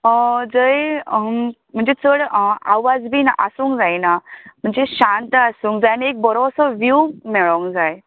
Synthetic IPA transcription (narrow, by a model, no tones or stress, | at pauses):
əd͡zəj | m̤əɳd͡zet͡səɽaʋad͡zbʱiːna̰ʔəsuːŋkd͡zajnam̤əɳd͡zeɕant̪əasũːŋkd͡zajnek̚bɔɾoʋsəʋjumɛɭɔŋkd͡zaj